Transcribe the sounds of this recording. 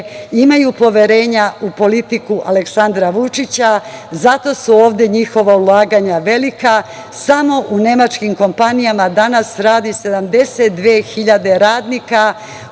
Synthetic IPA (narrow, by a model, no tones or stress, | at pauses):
imajupo̞ʋje̞ɾe̞ːɲaupo̞lit̪ikuʔale̞ksand̪ɾaʋut͡ʃit͡ɕazat̪o̞suo̞ːʋd̪e̞ɲixo̞ʋaulˠaːɡaɲaʋe̞lika | samo̞ʔune̞mat͡ʃkimko̞mpanijamad̪anasɾaːd̪ise̞d̪amd̪e̞set̪̚d̪ʋeːxiʎad̪e̞ɾaːd̪nika